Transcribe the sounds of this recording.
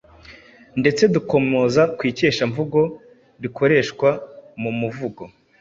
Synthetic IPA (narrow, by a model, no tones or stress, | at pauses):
nde̞t͡se̞duko̞mozakwiːceːʃaɱvuɡo̞ | ɾiko̞ɾe̞ːʃkwamumuvuɡo̞